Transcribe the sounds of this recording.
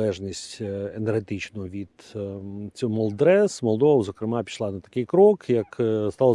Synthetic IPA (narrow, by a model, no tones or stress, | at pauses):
ɛʒnʲisʲtʲenerɦet̪ɪt͡ʃnʊʊʋʲid̪̥ | t͡sʲɔmɔlˠd̪ɾɛsmɔlˠd̪ɔʋɐzɔkɾɪmɑpʲi̥ʃlˠɑnɐt̪ɐ̥kɪjkɾɔkjɐkst̪ɑlˠ